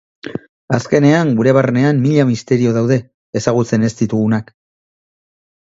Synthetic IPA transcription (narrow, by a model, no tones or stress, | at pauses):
aske̞ne̞aŋɡuɾe̞βarene̞amːiʎamist̪e̞ɾio̞ðawðe̞ː | saɣ̞ut͡se̞ne̞st̪it̪uɣunak